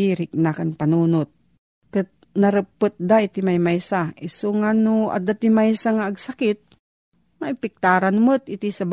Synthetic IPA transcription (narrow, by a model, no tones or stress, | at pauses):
iːɾɪk̚nakanpɐnuːnot̪̚ | kɨt̪̚ | nɐɾəpːɨt̪̚d̪aʔɪt̪imajmajsaʔɪsoŋanʊʔa̰d̪at̪ɪmajsaŋaːɡsakɪt̪̚ | maɪpɪk̚t̪aːɾanmɨt̪ɪt̪isɐb